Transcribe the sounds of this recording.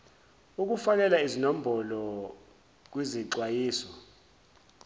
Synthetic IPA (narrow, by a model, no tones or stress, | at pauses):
uk̬ufak̬ɛlaizinom̩bʱɔlɔ | k̬wiziǀwajiːsɔ